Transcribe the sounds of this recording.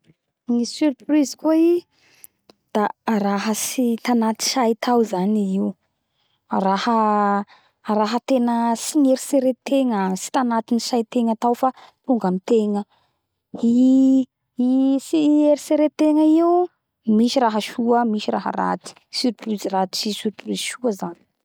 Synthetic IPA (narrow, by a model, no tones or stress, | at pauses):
ŋisyrprizkoi | d̪̥aɾaɦəsit̪anat̪i̥ʃajt̪ʰawzaniiw | rahə | ɾaɦət̪enəsiɲeɾiseɾet̪eŋəsi̥t̪anat̪inisajt̪eŋat̪awfat̪uŋɡamit̪eŋə | i | isieɾiseɾet̪eŋəiu | miʃiɾaɦəʃuəmiʃiɾaɦə̰ɾa̰t̪i̥syɾiplyzirat͡ʃisyɾiplyziʃuəzani̥